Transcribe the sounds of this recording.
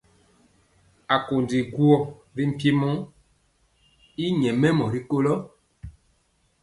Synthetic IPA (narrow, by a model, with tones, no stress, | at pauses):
a˨ko˨ndi˨ɡu˦ɔ˦˨ɾi˦m̩˦pji˦mɔ̃˦ | i˦ɲɛ̃˨mɛ̃˦mɔ̃˨ɾi˦ko˦lɔ˦